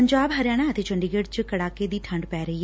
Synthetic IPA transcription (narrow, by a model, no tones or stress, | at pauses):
əɲd͡ʒaːbɦəɾɪjaːɽ̃aːət̪eːt͡ʃəɳɖiɡeːɖt͡ʃkəɽaːkeːd̪iːʈʰə̃ɳɖpɛːɾəɦiːɦ